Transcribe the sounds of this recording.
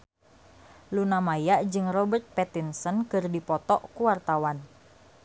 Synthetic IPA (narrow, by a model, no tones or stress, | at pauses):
lunamajaʔd͡ʒɨŋrɔbərt̪̚pɛt̪insənkɨrdipɔt̪ɔʔkuwart̪awan